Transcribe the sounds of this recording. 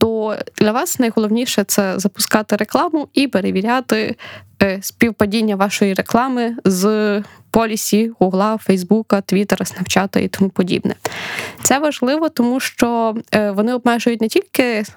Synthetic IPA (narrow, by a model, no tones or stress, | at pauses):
t̪ɔd̪̥lʲɐʋɑsnɐjɦɔlˠɔwnʲiʃɛt̪sɛzɐpʊ̥skɑt̪ɪɾe̞klˠɑmʊipeɾeʋʲiɾʲat̪ɪ | spʲiwpɐdʲinʲːɐʋɑʃɔjiɾeklˠɑmɪz | pɔlʲisʲiɣʊɣlˠɑfɛjzbukɐt̪ʋʲit̪eɾɐsnɐwt͡ʃɑt̪ɐ̰ḭt̪ɔmupɔdʲḭbnɛ̰t̪sɛʋɐʒlˠɪʋɔt̪ɔmuʃt͡ʃɔʋɔnɪɔb̚mɛʒʊjʊtʲnɛtʲilʲkɪ